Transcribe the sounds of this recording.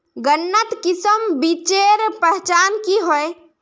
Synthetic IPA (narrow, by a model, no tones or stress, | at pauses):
ɡənːət̪kisəmbit͡ʃeɾpəɦt͡ʃankiɦoj